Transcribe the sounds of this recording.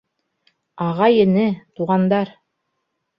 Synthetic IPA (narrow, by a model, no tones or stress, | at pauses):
ɑʁɑjɘ̆nɘt̪uʁɑnd̪ɑɾ